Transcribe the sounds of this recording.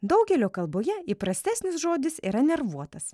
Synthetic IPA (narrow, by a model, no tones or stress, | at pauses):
d̪ɒʊɡʲɛlʲoːkɐlˠboːjɛiːpɾɐsʲt̪ʲæːsʲnʲɪsʒoːd̪ʲɪsḭːɾɐnʲɛɾʋuɔt̪ɐs